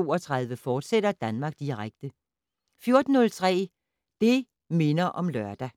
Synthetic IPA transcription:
o̝̰ːɒt͡sʰʁɑ̈ð̞ˠʋəfɒːd̥seɾɐd̥ænmɑ̈ːɡ̥̚d̥iʁaɡ̥̚d̥ə | fjo̝ɐd̥n̩ːɔ̽lt͡sʰʁɛ̰ː | d̥e̝ | me̝nɐʔɒ̽mlɶɐd̥æ

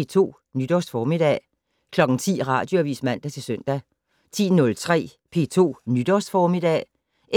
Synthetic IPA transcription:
t͡sʰo̝̰ː | nyd̥ɒsd̥fɒːmid̥ɛ̰ | kʰlɒ̽ɡ̥ŋ̩t͡sʰḭːʁɑ̈ːd̥joæʋḭːsmæn̰d̥æt͡sʰe̝lsøn̰d̥æ | t͡sʰḭːnɔ̽lt͡sʰʁɛ̰ː | pʰe̝̰ːt͡sʰo̝̰ːnyd̥ɒsd̥fɒːmid̥ɛ̰ | ʔe

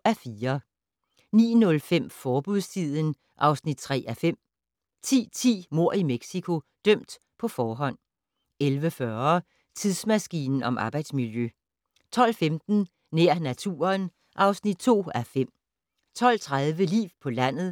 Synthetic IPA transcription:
æfiːɐ | nḭːnɔ̽lfem̰fɒːb̥uðˠst͡sʰið̰ˠən | ʔɑ̈ʊsnid̥̚t͡sʰʁɛ̰ːæfem̰ | t͡sʰḭːt͡sʰḭːmo̝ɐ̰imeɡ̥sikʰo̝d̥œm̰d̥ | pʰɒ̽fɒːɦɒ̽n̰ | elʋəfɶɐ | t͡sʰiðˠsmæsɡ̥ḭːnn̩ɒ̽mʔɑ̈ːb̥ɑ̈ɪd̥smiljø | t͡sʰɒ̽l̰femd̥n̩ | neɐ̰næt͡sʰṵːɐn | ʔɑ̈ʊsnid̥̚t͡sʰo̝̰ːæfem̰ | t͡sʰɒ̽l̰t͡sʰʁað̞ˠʋəlḭːwpʰɒ̽læn̰ð̩ˠ

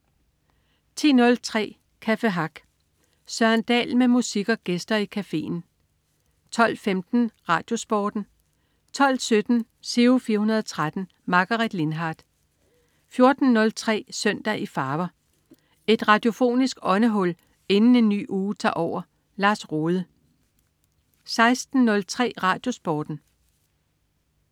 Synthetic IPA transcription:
t͡sʰḭːnɔ̽lt͡sʰʁɛ̰ː | kʰæfeɦɑ̈ɡ̥ | sɶɐnd̥ɛ̰ːlmemusiɡ̥ɒ̽ɡ̥esd̥ɐikʰæfe̝̰ːn̩ | t͡sʰɒ̽l̰femd̥n̩ʁɑ̈ːd̥jo̝sb̥ɒːd̥n̩ | t͡sʰɒ̽l̰sød̥n̩ | se̝ofiːɐɦunɐð̞̩ˠɒt͡sʰʁad̥n̩ | mɑ̈ɡ̥ɑʁid̥le̝nɦɑ̈ːd̥ | fjo̝ɐd̥n̩nɔ̽lt͡sʰʁɛ̰ːsœn̰d̥æʔifɑ̈ːʋɐ | e̝d̥ʁɑ̈d̥jo̝fo̝̰ːnisɡ̥ɒ̽nəɦɔ̽l̰ | e̝nn̩e̝nːy̰ːʔuːt͡sʰɑ̰̈ːʔɒʊ̰ɐ | lɑ̈ːsʁoːðˠə | sɑ̈ɪsd̥n̩nɔ̽lt͡sʰʁɛ̰ːʁɑ̈d̥jo̝sb̥ɒːd̥n̩

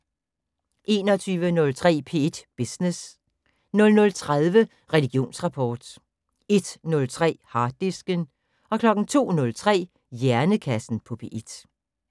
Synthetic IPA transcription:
ʔe̝̰ːnɒ̽t͡sʰyːʋənɔ̽lt͡sʰʁɛ̰ːpʰe̝̰ːed̥b̥isnes | nɔ̽lnɔ̽lt͡sʰʁaðˠʋə | ʁɛliɡ̥jo̝̰ːnsʁɑ̈pʰɒːd̥ | e̝d̥nɔ̽lt͡sʰʁɛ̰ːhɑ̈ːd̥isɡ̥ən | ɒ̽kʰlɒ̽ɡ̥n̩t͡sʰo̝̰ːnɔ̽lt͡sʰʁɛ̰ː | jæɐnəkʰæsn̩pʰɒ̽pʰe̝ːʔed̥

